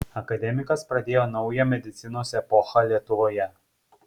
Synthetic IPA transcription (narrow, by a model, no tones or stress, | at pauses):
ɐkɐd̪ʲɛmʲɪkɐspɾɐd̪ʲeːjoːnɒʊjɛmʲɛd̪ʲɪt̪sʲɪnoːsʲɛpɔxɐlʲiɛt̪ʊʋoːjɛ